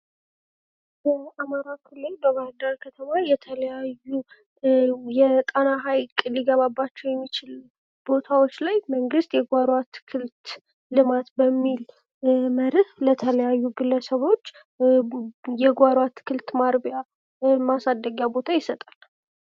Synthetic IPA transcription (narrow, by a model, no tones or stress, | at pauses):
bəamaɾakʰɨlːɨld̪oɡaɾd̪əɾkʰət̪ʰəmajɛt̪ʰələjajːu | jɛt̪ʼənaɦajkʼliɡəβabːat͡ʃːɛwjɛmːit͡ʃɪl | b̥o̞t̪ʰawo̞t͡ʃːlajməŋɡɨst̪jɛɡʷaɾwat̪kʰɨlt̪ | lɨmat̪bəmːil | məɾɨhlət̪ʰələjajːuɡɨlːəsəβo̞t͡ʃː | jɛɡʷaɾwat̪ʰkʰɨlt̪maɾbja | masad̪ːəɡjabo̞t̪ʰajɪsət̪ʼal